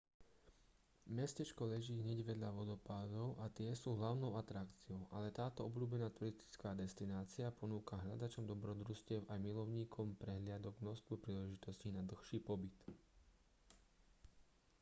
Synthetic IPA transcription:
mɛscɛt͡ʃkɔlɛʒiːɦɲɛɟʋɛd̪ʎaʋɔd̪ɔpaːd̪ɔʊʔat̪ɪɛsuːɦlaʊnɔʊat̪ɾakt͡siɔʊʔalɛt̪aːt̪ɔɔbluːbɛnaːt̪uɾist̪i̥t͡skaːd̪ɛst̪inaːt͡siapɔnuːkaɦʎad̪at͡ʃɔmd̪ɔbɾɔd̪ɾuscɪɛʊʔajmilɔʊɲiːkʰɔmpɾɛɦlɪad̪ɔɡmnɔʃst̪ʋɔpɾiːlɛʒit̪ɔscinad̪l̩xʃiːpɔbit̪

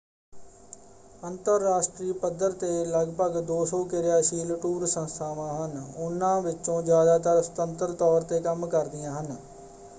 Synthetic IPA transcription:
ənt̪əɾːaːʃʈɾiːpəd̪əɾt̪eːləɡpəɡd̪oːsɔ̃ːkɪɾɪjaːʃiːlʈuːɾsə̃nst̪ʰaːʋãːɦənʊnːãːʋɪtːt͡ʃõːd͡ʒjaːd̪aːt̪əɾst̪ənt̪əɾt̪ɔːɾt̪eːkəmkəɾd̪ɪjãːɦən

